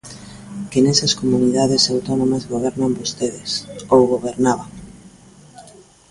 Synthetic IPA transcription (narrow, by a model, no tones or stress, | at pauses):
keneseskomuniðaðesawt̪onomazɣoβ̞ɛɾnambost̪eðesowɣoβeɾnaβaŋ